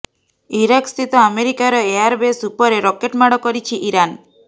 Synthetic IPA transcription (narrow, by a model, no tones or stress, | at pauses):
iɾakst̪ʰit̪ɔameɾikaɾɔeaɾbesupɔɾeɾɔkeʈmaɽɔkɔɾit͡ʃʰiʔiɾan